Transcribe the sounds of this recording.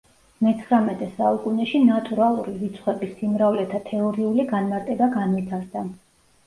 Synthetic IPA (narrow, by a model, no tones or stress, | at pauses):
mɛt̪sʰχɾamɛt̪ʼɛsaukʼunɛʃinat̪ʼuɾalˠuɾivit̪sʰχwɛbisimɾavlɛt̪ʰat̪ʰɛɔɾiuliɡanmaɾt̪ʼɛbaɡanvit̪ʰaɾd̪a